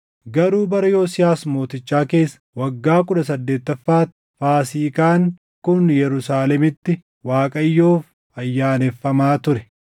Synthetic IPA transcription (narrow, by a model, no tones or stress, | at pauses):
ɡɐɾuːbɐɾɐjo̞ːsɪjaːsmo̞ːt̪ɪt͡ʃːaːke̞ːsːɐ̥wɐɡːaːkʊᶑɐsɐd̪ːe̞ːt̪ːɐfːaːt̪ːɪfaːsiːkaːŋ | kʊnjɛɾʊsaːlɛmɪt̪ːɪ | waːkʼɐjːoːf | ɐjːaːnɛfːɐmaːt̪ʊɾɛ